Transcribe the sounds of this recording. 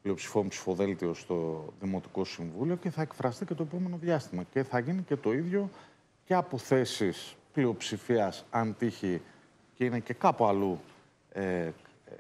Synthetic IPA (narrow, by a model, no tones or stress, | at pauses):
plio̞psi̥fo̞mupsi̥fo̞ðe̞lt̪io̞st̪o̞ðimo̞t̪i̥ko̞siɱvulio̞ceθɐe̞kfɾɐst̪ice̞t̪oep̬o̞me̞no̞ðʝɐst̪imɐce̞θɐʝinice̞t̪o̞iðʝo̞ | ce̞ɐpo̞θe̞sisplio̞psifiɐsɐnt̪içi | ce̞ine̞ce̞kɐpuɐlu | e